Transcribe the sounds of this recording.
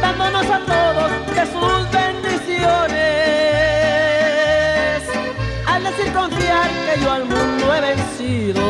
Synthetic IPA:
d̪and̪onosat̪oðoðesusβend̪isjone | s | ald̪esiɾkõɱfjaɾkeʎoalmũnd̪oeβensiðo

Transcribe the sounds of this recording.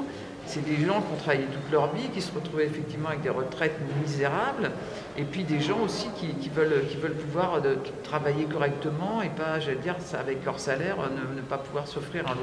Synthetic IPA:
sɛd̪eʒɑ̃kʲiɔ̃t̪χavajɛt̪ut̪lœʁvikʲisəʁət̪χuvɛːfɛk̚t̪ivmɑ̃avɛk̚d̪eʁət̪χɛt̪mizeʁabl | epɥid̪eʒɑ̃osikʲikʲivœlkʲivœlpuvwaʁø | t̪χavajekɔʁɛk̚t̪əmɑ̃epaʒaled̪iʁsa̰vɛklœʁsalɛʁønənəpapuvwaʁsɔfχiʁɛ̃

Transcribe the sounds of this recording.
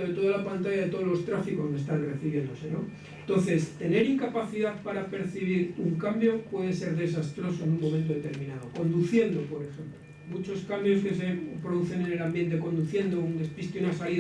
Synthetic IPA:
oðet̪o̞ð̞alapant̪aʝaðe̞t̪oð̞lo̞st̪ɾafiko̞mest̪anreθiβje̞nd̪o̞se̞no̞ | nt̪o̞n̟θe̞st̪e̞ne̞ɾiŋkapaθiðaθpaɾape̞ɾθiβiɾuŋkambjo̞pwe̞ðe̞se̞ɾðe̞sast̪ɾo̞so̞enummomẽnt̪̬o̞ðe̞t̪e̞ɾmĩnaðo̞ko̞nd̪uθje̞nd̪o̞po̞ɾe̞xe̞mploomut͡ʃo̞skambjo̞ske̞se̞pɾo̞ðuθe̞ne̞ne̞lambje̞nt̪̬e̞ko̞nd̪uθje̞nd̪o̞und̪e̞spist̪eunasalið

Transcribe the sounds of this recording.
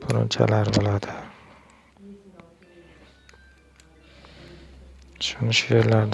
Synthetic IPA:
pʰoɾʊ̰mt͡ʃʰa̰laɾbolˠad̪ɪ | ʃunʃelaɾd̪

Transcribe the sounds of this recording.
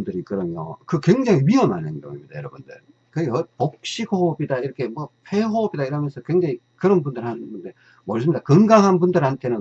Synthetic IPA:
ndɯɾikɯɾʌmjo̰kɯkwe̞ŋd͡ʑaŋiɥiʌmanɦendo̰ŋḭmɲid̥a̰jʌɾʌbundɯɭ | kɯʌpok̚ɕ͈iɡobidaiɾʌkʰe̞mwʌpʰeɦobidaiɾʌmjʌnsʰʌkwe̞ŋd͡ʑaŋi | kɯɾʌnbundɯɾhannɯnde̞ | mʌɭs̬͈ʰɯmidakɯŋɡaŋɦanbundɯɾhantʰe̞nɯn

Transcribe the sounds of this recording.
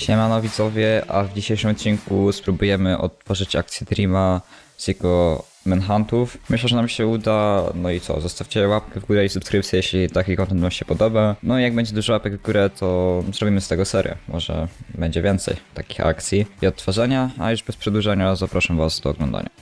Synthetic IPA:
ɕɲɛmanɔvʲit̪zɔvʲjɛʔa̰vd͡ʑiɕejʂɨmɔt̪̚t͡ɕːiŋkuspɾubujɛmɘʔɔ̰t̪ːfɔʐɘt͡ɕa̰k̚t̪sʲjɛt̪ɾʲima | z̥jɛɡɔ | mɛnxant̪ufmɘɕlɛʐɛnamɕɛud̪anɔit̪sɔ̰zɔst̪afʲt͡ɕɛwap̚kɛvɡuɾɛisupskɾɘpt̪sʲjɛjɛɕlʲit̪akʲikɔ̃nt̪ɛnt̪vamɕɛpɔd̪ɔbanɔijaɡ̚bɛɲd͡ʑɛd̪uʐɔwapɛɡvɡuɾɛt̪ʰɔzɾɔbʲimɘst̪ɛɡɔsɛɾjɛ̰mʔɔʐɛ̰bɛɲd͡ʑɛvʲjɛnt̪sɛ̰jt̪akʲi̥xa̰kt̪sʲjiiɔt̪ːfaʐaɲaa̰juʐbɛspʂɛd̪wuʐaɲazapɾʔaʂamvasd̪ɔːɡlɔnd̪a̰ɲa̰

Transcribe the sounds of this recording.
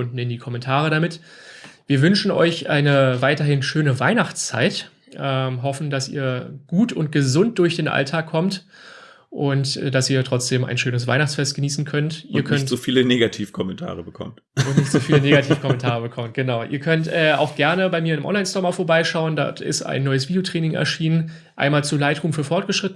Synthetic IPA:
ʊndn̩ɪnndiːkʰɔmɛntʰaːʁ̞əɾamɪtviːɐvʏnʃn̩ɔ̰ʏçʔaɪnəvaɪtɐɦɪnʃøːnəvaɪnaχt͡st͡sa̰ɪt | ʔɛːmɦɔfn̩dasḭːɐɡ̥uːtʊnt̚ɡ̥əzʊnt̚d̥ʊɐçd̥eːnʔa̰ltʰaːkʰːɔmt | ʔʊntd̥asiːɐtʁ̥ɔt͡sd̥eːma̰ɪnʃøːnəsv̥a̰ɪnaχt͡sfɛstɡ̥əniːsn̩kʰœntʔiːɐkʰœtz̥ofiːləneːɡatʰiːfkʰɔmɛntʰa̰ːʁəbəkʰɔ̰mt | ʊntnɪçtz̥oːfːləneːɡatʰiːfkʰɔmɛntʰaːʁ̞əbəkʰɔmt̚ɡ̥ənaʊʔḭːɐkʰœntʔɛːa̰ʊxɡ̥ɛɐnəbaɪmiːɐɪndɪmʔɔ̰nlaɪnstɔɐmaːfoɐbaɪʃaʊəndɔ̰tɪ̰sta̰ɪnːɔʏəsv̥iːdjotʁ̥ɛːnɪŋɛ̰ɐʃiːnən | ʔa̰ɪnmaːlt͡suːlaɪtʁuːmfyːɐfɔɐt̚ɡ̥əʃʁ̥ɪtn̩

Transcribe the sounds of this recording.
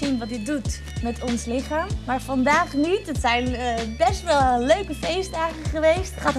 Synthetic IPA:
inʋɑtɪdut | mɛtʰɔnslɪχaːmːaːɹfɑndaːχnitətsɛjnbɛstʋɛlˠløɥkəfejsdaːχəχəʋejstχaːt

